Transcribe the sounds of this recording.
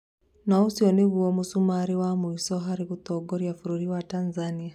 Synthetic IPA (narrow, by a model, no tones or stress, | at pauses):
nausiɔniβwɔmusumaɾiwamuisɔɦaɾiɣut̪ɔɡɔɾjafuɾuɾiwatanzania